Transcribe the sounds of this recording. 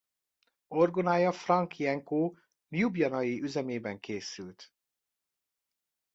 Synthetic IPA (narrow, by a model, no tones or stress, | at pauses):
orɡonaːjɒfrɒŋkijɛŋkoː | njubjɒnɒjiʔyzɛmeːbɛŋkʰeːsylt̪